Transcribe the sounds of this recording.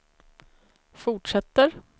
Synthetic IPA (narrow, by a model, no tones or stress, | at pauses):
fʊʈʂɛt̪ːəɾ